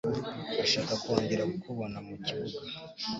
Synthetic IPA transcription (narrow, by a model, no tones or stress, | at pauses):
uʃaːkakoːɲɟeɾakukʰuβonamuciβuɡa